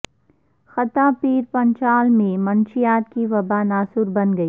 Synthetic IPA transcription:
xɐt̪apiːɾpɐ̃ɲt͡ʃaːlmẽmɐ̃nʃɪjaːt̪kiʋɐbanaːsʊɾbɐnɡɐiː

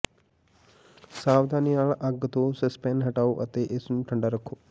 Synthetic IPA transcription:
saːʋd̪ʱaːnijaːɭɐʔɐɡːɐt̪oːsɐspeːnɦɐʈaːuʔɐ̰t̪ːeʔesunʈʰɐɳɖɐɾɐkʰːu

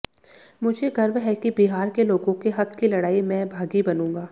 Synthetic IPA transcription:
mʊd͡ʒʱeɡɐɾʋɦɛkibiɦaːɾkeloːɡõkeɦɐkkilɐɽaːimɛ̃ːbʱaːɡibɐnũːŋɡaː

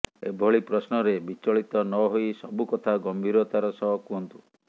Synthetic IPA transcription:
ebʱɔɭipɾɔsnɔɾebit͡ʃɔɭit̪ɔnɔɦojsɔbukɔt̪ʰaɡɔmbʱiɾɔt̪aɾɔsɔɦɔkuɦɔnt̪u̥

